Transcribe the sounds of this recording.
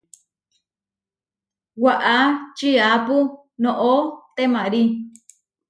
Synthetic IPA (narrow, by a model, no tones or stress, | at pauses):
waʔat͡ʃiapu | nõʔot̪emãɾi